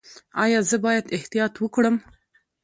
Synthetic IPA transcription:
ɑjɑzəbɑjad̪ɪht̪ijɑt̪wəkɽəm

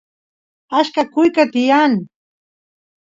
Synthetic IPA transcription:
aʃkakʊjkat̪ɪjaŋ

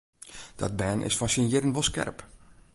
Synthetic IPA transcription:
d̥ɔ̰t̚bɛːnʔɪ̰sfasinjɪdənʋolˠskɛ̰rp

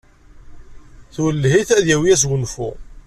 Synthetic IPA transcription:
θuwəlːɦiθæðjæwijæs̬wənfṵ

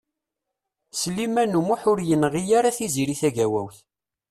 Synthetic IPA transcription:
slimænumuħʊɾjənʁijaɾaθiziɾiθæʝæwæ̰wθ

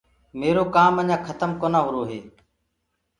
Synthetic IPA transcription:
meːɾoːkaːməɲãːkʰət̪əmkoːnãːɦʊɾoːɦeː

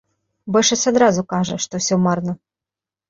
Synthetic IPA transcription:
bɛʂɐt͡sʲad̪ɾazʊkaʐɐʂt̪ɔwsʲɔmarnɐ

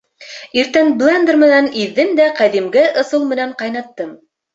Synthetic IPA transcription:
iɾt̪ænblˠend̪ɾmɘ̆næniðːɘmd̪æqæðimɡæʔŏsɤlˠmɘ̆næɴqɑjnɑt̪ːɤm

